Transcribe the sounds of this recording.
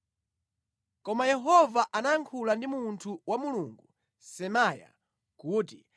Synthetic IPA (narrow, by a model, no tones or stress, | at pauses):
kɔmajɛɦɔvaʔanajaŋkʰulandimuntʰuwamuluːŋɡu | sɛmaja̰ | kuːti